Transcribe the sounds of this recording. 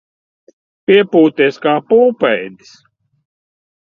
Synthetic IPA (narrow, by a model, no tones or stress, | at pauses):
pʲiɛpuːt̪iskaːpuːpɛjd̪i̥s